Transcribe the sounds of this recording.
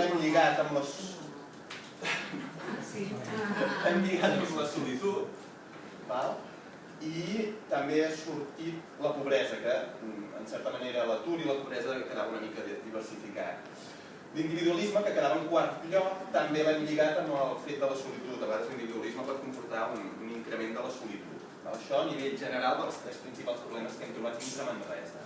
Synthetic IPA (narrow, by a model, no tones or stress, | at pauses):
aɲʎiɣat̪əmləs | si | bamʎiɣat̪əmləsulit̪ut̪̚ | balˠ | it̪əmbeəsuɾt̪it̪̚ | ləpuβɾɛzəkəə̰nsɛɾt̪əməneɾələt̪uɾiləpuβɾɛzəkəðaβəunəmikəðd̪iβərsifika̰t̪̚ | lind̪iβiðuəlizməkəkəðaβəuŋkwaɾt̪ʎɔk̚t̪əmbeβaɲʎiɣat̪əmbəlˠfet̪̚d̪ələsulit̪ut̪əβəɣaðəzlind̪βiðuəlizməpəɾ̚kumpuɾt̪aununiŋkɾəmend̪ələsulit̪ṵt̪ | a̰lˠəʃɔəniβeʎʒənəɾalˠd̪əlˠst̪ɾɛspɾinsipalˠspɾuβlɛməskɛmt̪uβat̪̚it̪əmənrɛ̰zə̰